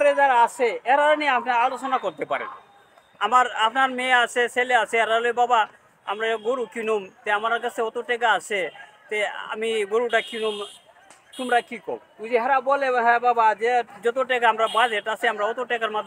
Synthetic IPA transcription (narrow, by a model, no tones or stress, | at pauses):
ɾed͡ʒaɾaasʰeɛɾaɾaniapnaɾalot͡ʃɔnakɔɾt̪epa̰ɾḛn | amaɾapnaɾmeasʰeseleasʰeɛɾaloebaba | a̰mɾaɡoɾukinumt̪eamaɾkasʰeɔt̪oʈɛkaasʰet̪ea̰miɡoɾuʈakinum | t̪umɾakikɔ̰bud͡ʑiɦɛɾabɔleɦɛbabad͡ʒed͡ʒɔt̪̬oʈɛɡaamɾabad͡ʑeʈasʰeamɾaɔt̪oʈɛkaɾmad̪ʱː